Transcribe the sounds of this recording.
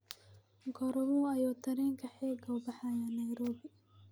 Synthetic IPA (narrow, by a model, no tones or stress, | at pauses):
ɡɔɾɔwuɐjɔːt̪ʰɐɾɛːŋkʰɐħɛːɡɐwbɐħajanɐjɾɔːbɪ